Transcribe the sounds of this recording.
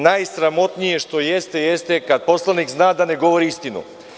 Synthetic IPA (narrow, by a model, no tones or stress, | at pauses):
najsɾamo̞t̪nije̞ʃt̪o̞jest̪e̞jest̪e̞kad̪̚po̞slˠanikznaːd̪ane̞ɡo̞ʋoɾiist̪inṵ